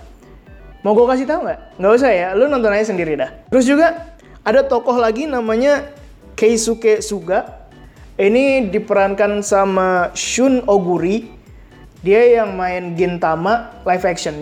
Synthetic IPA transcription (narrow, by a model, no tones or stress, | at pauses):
moɡokas̬it̪auŋɡaʔŋɡaus̬ajalunɔnt̪ɔnaɲas̬əndiɾidaht̪əɾʊs̬d͡ʒuɡa | adat̪ɔkɔɦlaɡinamaɲa | keisukesuɡaʔ | inidipəɾankansamaʃʊnoɡuɾi | diajaŋmaɪnɡɪnt̪amalafɛksɔn